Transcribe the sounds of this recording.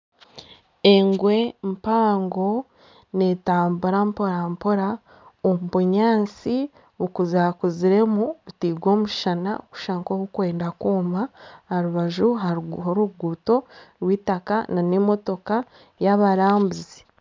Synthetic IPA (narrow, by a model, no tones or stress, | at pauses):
eŋɡwe̞mpaːŋɡo̞ | netaːmbuɾampo̞ɾampo̞ɾa | ombuɲaːnt͡si | βukuzaːkuziɾe̞muβitiːɡwo̞ːmuʃana̰oku̥ʃaŋkoβukwe̞ːndakuːmahaɾuβaʒuɦahoɾuɡuːto̞ɾwiːtakananemo̞to̞ka | jaβaɾaːmbuzi